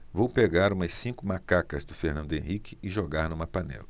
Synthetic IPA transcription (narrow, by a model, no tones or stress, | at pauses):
vowpeɡaɾũmɐsĩkʊmakakɐzd̪ʊfeɾnɐ̃nd̪ʊẽhikɪɪʒoɡaɾnũmɐpanɛ̰lɐ